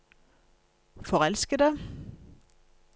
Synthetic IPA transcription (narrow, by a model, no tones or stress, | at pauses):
fɔʁɛlskəd̪ə